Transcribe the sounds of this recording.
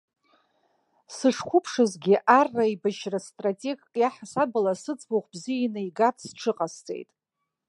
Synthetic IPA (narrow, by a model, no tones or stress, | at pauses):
sɨʂkʷʰʊpʰʂɨzɡʲiʔʔarːaibaʃrastʼratʼe̞ɡkʼjaħasabɨlasɨt͡sʼboχʷbzijinɨiɡatʰʼsʈ͡ʂʰɨqʼast͡sʼe̞̰jtʼ